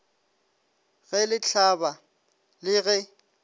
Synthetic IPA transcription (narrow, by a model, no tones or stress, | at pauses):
ɣɛlɪt͡ɬʰaba | lɪɣɛ